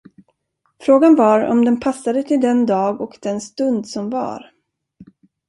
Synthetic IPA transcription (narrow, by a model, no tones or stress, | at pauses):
fɾoːɡanvaɾɔ̰md̪ɛnpʰasːad̪ət̪ʰɪld̪ɛnd̪ɑːɡɔkd̪̥ɛnst̪ɵnd̪sɔmva̰ɾ